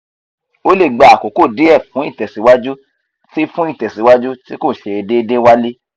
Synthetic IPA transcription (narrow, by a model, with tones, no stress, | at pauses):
o˦le˦˨ɡ͡ba˨a˨ko˨˦ko˦˨de˨˦ɛ˦˨fũ˨˦i˦˨tɛ˨si˨˦wa˦d͡ʒu˦ | ti˦fũ˦i˦˨tɛ˨si˨˦wa˦d͡ʒu˦ti˦ko˦˨ʃe˧e˧de˦˧˦de˦wa˦le˦